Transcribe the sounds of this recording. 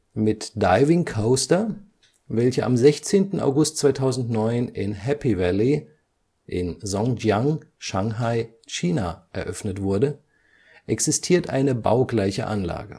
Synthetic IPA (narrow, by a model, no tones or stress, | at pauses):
mɪtd̥aɪvɪŋkʰoʊstɐ | vɛlçəʔa̰mzɛçt͡seːntn̩a̰ʊɡʊst̚t͡sv̥aɪtʰaʊzn̩tnɔʏnɪnɦɛpivɛli | ʔɪnzɔ̃ŋjaŋʃaŋɦaɪ | ʃiːnaʔɛɐʔœfnətv̥ʊɐdə | ʔɛksɪstʰiːɐtʔaɪnəba̰ʊɡlaɪçə̰ʔanla̰ːɡə̰